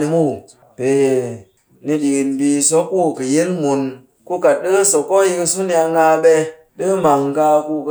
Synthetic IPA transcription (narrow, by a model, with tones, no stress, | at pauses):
ni˧mu˦˨ | pe˨ | ni˧di˨ki˨nbi˧so˦kːu˦˨kɨ˨je˦nmu˨n | ku˦ka˨t̚ɗɨ˦so˨kːo˦ji˧ki˧su˦ni˦˧a˧ŋɡa˧ɓɛ˧ | ɗɨ˦ma˨ŋ˦ɡa˧ku˧k